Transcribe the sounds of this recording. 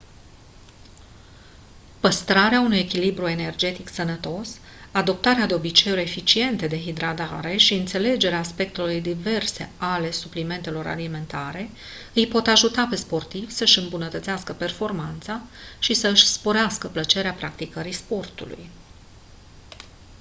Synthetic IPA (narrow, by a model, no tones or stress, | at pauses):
pəst̪ɾaɾeaunuje̞kʲilibɾue̞ne̞rd͡ʒe̞t̪iksənət̪o̞s | ad̪o̞p̚t̪aɾead̪eo̞bit͡ʃe̞joefit͡ʃie̞nt̪ed̪e̞ɦid̪ɾad̪aɾe̞ʃiɨnt̪se̞le̞d͡ʒe̞ɾeaːspe̞kt̪elujd̪ive̞rse̞̰ale̞suplime̞nt̪e̞lo̞ɾa̰lime̞nt̪aɾe̞ | ɨjpo̞t̪aʒut̪ape̞spo̞rt̪ivsəʃɨmbunət̪ət̪seaskəpe̞rfo̞rmant̪saʃisəɨʃʲspo̞ɾeaskəplət͡ʃe̞ɾeapɾakt̪ikəɾispo̞rt̪ṵlṵj